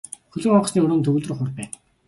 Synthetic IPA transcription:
xɵɮɵ̆ŋɔqsniːɵɾɵːnt̪ʰɵɣɵːɮt̪rɵ̆χʊrpæːn

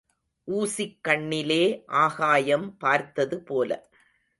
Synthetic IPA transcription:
ʔuːsɪkːɐɳːɪleːʔaːɣaːjɐmpaːɾt̪ːɐðɯpoːlɐ̰

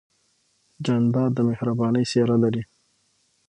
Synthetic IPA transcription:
d͡ʒand̪ɑd̪əmɪhɾabɑnəjseɾalaɾi

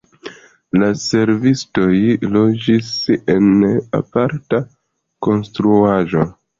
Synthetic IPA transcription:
lase̞ɾvisto̞jlo̞d͡ʒise̞na̰paɾta | ko̞nstɾuaʒo̞

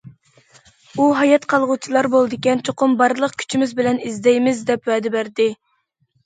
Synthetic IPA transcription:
uɦɑjɑt̪qʰɑlˠʁut͡ʃʰilˠɑɾbolˠɨd̪ɪkʲɛnt͡ʃʰoqʰʊmbɑɾlˠəq̚kʲʰy̥t͡ʃʰimɪzbɪlɛnizd̪ɛjmɪzd̪ɛpwɛːd̪ɛbæɾd̪ɪ

